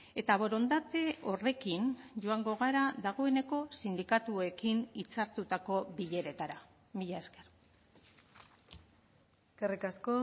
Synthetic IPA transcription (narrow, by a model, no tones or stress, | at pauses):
e̞t̪aβo̞ɾo̞nd̪at̪e̞o̞re̞kinʝoaŋɡo̞ɣaɾaðaɣ̞o̞e̞ne̞ko̞sind̪ikat̪ue̞kinit͡saɾt̪ut̪ako̞βiʎe̞ɾe̞t̪aɾa | miʎae̞ske̞r | karikasko